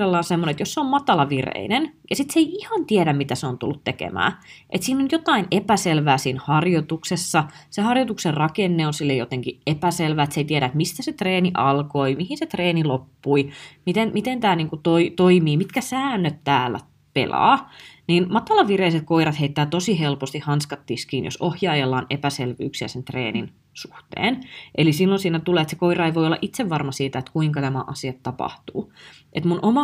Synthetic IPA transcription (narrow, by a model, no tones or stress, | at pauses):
elːɑːnsemːonet̪josseommɑt̪ɑlɑʋirḛinenjɑsit̪seiihɑnt̪ieɾæmmit̪æseont̪ṵlːut̪t̪ekḛmæ̰ːʔḛt̪siːnonjot̪ɑinepæselʋæːsiːnhɑrjot̪uksesːɑsehɑrjot̪ukserrɑkenːeonsilːejot̪eŋkiepæselʋæːet̪seit̪iɛeɾæet̪mist̪æset̪reːniʔɑlkoimihinset̪reːnilopːuimit̪enmit̪ent̪æːniːŋkut̪oit̪oimiːmit̪kæsæːnːøt̪t̪æːlːæ̰ | pḛlɑ̰ːniːnmɑt̪ːɑlɑʋʋireiset̪̚koirɑt̪heit̪ːæːt̪osihelpost̪ihɑnskɑt̪ːiskiːnjo̰sohjɑːjelːɑːnepæselʋy̰ːksiæ̰sent̪rḛːnḭn | suht̪ḛːnʔelisilːonsiːnæt̪uleːet̪se̥koirɑeiʋoiolːɑ̰ʔit̪seʋːɑrmɑsiːt̪æet̪kuiŋkɑnæmæ̰ʔɑ̰siɑt̪tɑpɑ̰ht̪uː | ʔet̪munʔomɑ